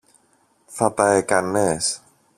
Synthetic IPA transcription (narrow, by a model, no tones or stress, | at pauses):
θɐt̪ɐekɐnes